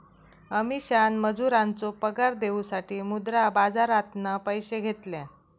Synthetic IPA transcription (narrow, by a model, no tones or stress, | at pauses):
əmiɕanməd͡zuɾant͡sopəɡaɾd̪eusaʈiːmud̪ɾabad͡zaɾat̪nəpəjɕeɡʱet̪lɛ̃